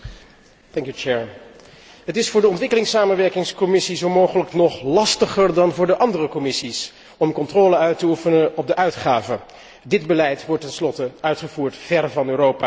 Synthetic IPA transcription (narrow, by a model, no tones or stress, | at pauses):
tɛŋkjut͡ʃɛɹ | ɦətɪsfʊːɹdəɔntʋɪkəlɪŋsaːmənʋɛɹkɪŋskɔmɪsizowmowχələknɔχlɑstəχəɹdɑnvʊːɹdəʔɑndərəkɔmɪsis | ɔmkɔntrɔːləœɥtəufənəʔɔb̚dəʔœɥtχaːvə | dɪdbəlɛjtʋɔɹtɛnslɔtəœɥtχəvuːɹtv̥ɛɹvɑnøːrowpaː